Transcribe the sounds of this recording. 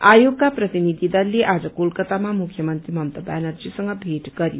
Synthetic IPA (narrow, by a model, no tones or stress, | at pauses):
ajoɡkaprʌt̪inid̪ʱid̪ʌlleʔad͡zʌkolkʌt̪amamukʰjʌmʌnt̪ɾimʌmt̪ʌbanʌrd͡zisʌŋɡʌbʱeʈɡʌɾjo